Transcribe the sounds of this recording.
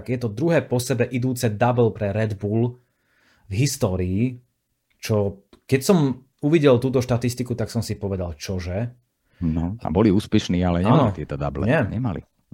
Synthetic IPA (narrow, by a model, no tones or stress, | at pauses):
ɡjɛt̪ɔd̪ɾuɦɛːpɔsɛbɛʔid̪uːt͡sɛd̪abl̩pɾɛɾɛd̪buːl | vɦist̪ɔːɾiː | t͡ʃɔ | kɛcsɔm | uʋiɟɛlt̪uːt̪ɔʃt̪at̪ist̪ikut̪aksɔmsipɔʋɛd̪alt͡ʃɔʒɛ | nɔa̰bɔliuːspɛʃniːalɛɲɛnɔit̪ɪɛt̪ɔd̪a̰blɛ̰ɲɪɛɲɛmalḭ